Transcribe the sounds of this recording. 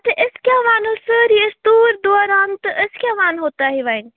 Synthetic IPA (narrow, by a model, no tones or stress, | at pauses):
t̪ɐʔɪskʲjãʋaːnosəɾiɪst̪uːɾd̪ɔːɾaːnt̪ɐʔɪskʲjãʋaːnɦoːt̪aɦiʋaɪn